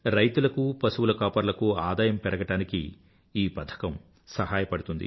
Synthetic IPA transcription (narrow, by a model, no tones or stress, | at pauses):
ɾɐjt̪ulɐkupɐsuwulɐkaːpɐɾlɐkuaːd̪aːjɐmpɛɾɐɡɐʈaːnikḭ | iːpɐt̪ʰɐ̥kɐm | sɐɦaːjɐpɐɽut̪und̪ḭ